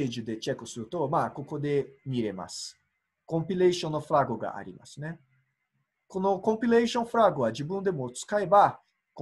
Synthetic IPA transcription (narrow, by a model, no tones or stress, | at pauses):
ed͡ʒud̪et͡ʃɛkõst̪ɾut̪oɾmakokod̪emiɾema̰s | kõmpileʃõnɔfɾaɡoɡa̰ʔa̰ɾḭma̰snɛ | konokõmpileʃõnfɾaɡoad͡ʒibũnd̪emoɾt̪u̥skajba | k